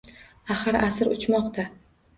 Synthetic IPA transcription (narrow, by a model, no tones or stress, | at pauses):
aχɨɾasɨɾʊt͡ʃmɒqt̪ʰa